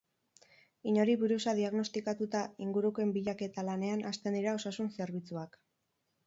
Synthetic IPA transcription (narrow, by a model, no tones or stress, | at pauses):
iɲo̞ɾiβuɾusaðiaɣno̞st̪ikat̪ut̪aiŋɡuɾukoe̞mbiʎake̞t̪alane̞anast̪e̞nd̪iɾao̞sasunse̞ɾβ̞it͡suak